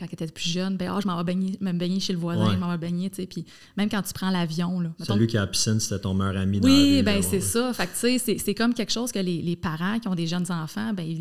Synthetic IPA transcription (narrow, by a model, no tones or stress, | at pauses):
kɑ̃ket̪ɛplyʒœnbɛ̃ɔ̰ʒəmɑ̃vabɛɲeʒməmbɛɲeʃeləvwazɛ̃ʒəmɑ̃vabɛɲet͡sepʰi | mɛ̃mkɑ̃t̪y̥pχɑ̃lavjɔ̃lɔmɛt̪ɔ̃lɥikʲiapi̥sɪnse̥t̪ɛt̪ɔ̃mœʁamiwibɛ̃sesɔfak̚t̪t͡sesesɛkɔmkʲɛkʃɔʊz̥kʲəlelepaʁãkʲiɔ̃d̪eʒnzɑ̃fãbɛ̃i